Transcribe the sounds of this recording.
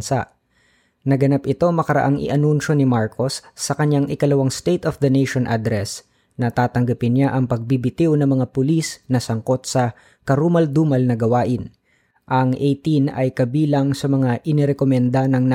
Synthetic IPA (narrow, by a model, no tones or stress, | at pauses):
nsaʔ | nɐɡɐnapʔɪt̪o̞mɐkɐɾɐ̰ʔaŋʔɪ̰ʔɐnunʃo̞nɪmaɹkʰo̞sːɐkɐɲjaŋʔɪkɐlɐwaŋst̪ejt̪ofd̪ɐnejʃonʔad̪ɾɛs | nɐt̪aːt̪ɐŋɡɐpɪnɲaʔɐŋpɐɡ̚bibɪt̪ɪwnɐŋmɐŋapʊlisnɐsɐŋko̞t̪̚sɐ | kɐɾuːmɐld̪uːmɐlnɐɡɐwaːʔɪn | ʔɐŋʔejt̪inɐ̰jkɐbiːlɐŋsɐmɐŋaʔɪnɪɾɛkomɛnd̪anɐŋn